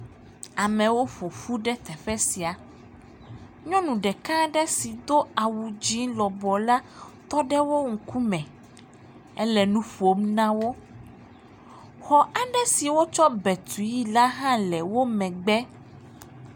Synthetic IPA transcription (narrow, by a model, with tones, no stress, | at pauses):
a˨mɛ̃˨wo˦ɸo˨fu˦ɖɛ˦t̪ɛ˨ɸɛ˦si˨a˨ | ɲɔ̃˦nũ˨ɖɛ˨kã˦ɖɛ˦si˨d̪o˦a˨wu˨d͡ʑi˦lɔ˨bɔ˨la˦t̪ɔ˦ɖɛ˦wo˦ŋ̩˨ku˦mɛ̃˨ | ɛ˦lɛ˨nũ˦fo˦mnã˦wo˦ | xɔ˨a˨ɖɛ˦si˨wo˦t͡ʃɔ˦bɛ˨t̪ʰu˨ji˦la˦ɦã˦lɛ˨wo˦mɛ̃˨ɡ͡bɛ˦